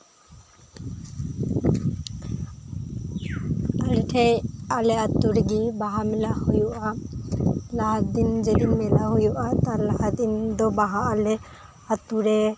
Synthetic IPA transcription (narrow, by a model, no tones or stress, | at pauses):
alɛʈʰɛjalɛat̪uɾɡibaɦamɛlahujuʔa | laɦat̪̚d̪ind͡ʒɛd̪inmɛlaɦujuʔat̪aɾlahat̪̚ind̪ɔbaɦaʔalɛ | at̪uɾɛ